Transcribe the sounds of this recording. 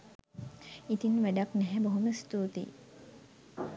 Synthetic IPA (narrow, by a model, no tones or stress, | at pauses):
it̪inʋæɖaknɛɦɛboɦuməst̪uːt̪ḭ